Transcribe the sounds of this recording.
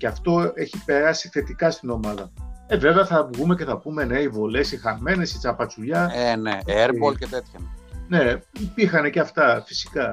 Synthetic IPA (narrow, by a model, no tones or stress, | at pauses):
ceɐft̪o̞e̞çipe̞ɾɐsi̥θe̞t̪ikɐst̪ino̞mɐðɐeve̞veɐθɐɣume̞ce̞θɐpume̞ne̞ivole̞sixɐme̞ne̞sit͡sɐpɐt͡suʎɐeneeɾpolcet̪et̪çɐne̞ipixɐne̞ceɐft̪ɐfi̥si̥kɐ